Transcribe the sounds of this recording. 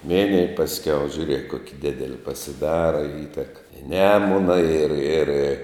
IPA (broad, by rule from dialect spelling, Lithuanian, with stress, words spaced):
ˈmʲɪnʲɪj pɐsʲˈkʲɛʊ ʒʲʊˈrʲiɛk ˈkoːkʲɪ ˈdʲɪdʲɛlʲɪ pɐsʲɪˈdɑːrɐ ɪ ˈiːtʲɛk ɪ ˈnʲæːmʊnɐ ɪr ɪr